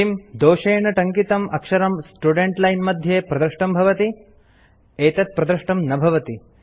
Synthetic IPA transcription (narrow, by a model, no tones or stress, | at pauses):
imd̪oːʃeːɳɐʈɐŋkit̪ɐmʔɐkʂɐɾɐmsʈuɖeɳʈlɐjnmɐd̪ʱjeːpɾɐd̪ɾɐʂʈɐmbʱɐʋɐt̪i | eːt̪ɐt̪̚pɾɐd̪ɾɐʂʈɐmnɐbʱɐʋɐt̪i